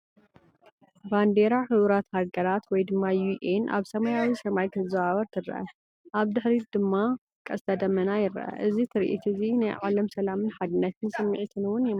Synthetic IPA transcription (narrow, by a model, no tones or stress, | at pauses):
band̪eɾaħɨβɾat̪haɡɐɾat̪wɔjd̪ɨmːajuʔenʔa̰βsɐmɐjawisɐmajkʰɐzɐaβɐɾt̪ʰɨɾɐ̰ʔɐ̰ | ʔaβd̪ɨħɾid̪ɨmːa | kʼɐst̪ʰɐd̪ɐmːɐnajɪɾɐ̰ʔɐ̰ʔɨzit̪ʰɨɾʔḭt̪ʰɨzinajʕalɐmsɐlamɨnħad̪ɨnːɐt̪ʰɨnsʼɨmːɨʕit̪ʰɨnwʊnjɛm